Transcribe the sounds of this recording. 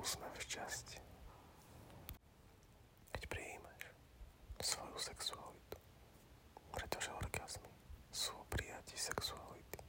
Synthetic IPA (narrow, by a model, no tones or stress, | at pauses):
smɛft͡ʃasc | kɛcpɾiiːmaʃ | sʋɔjusɛksualit̪u̥ | pɾɛt̪ɔʒɛɔɾɡaz̥misuːpɾijacisɛksualit̪i̥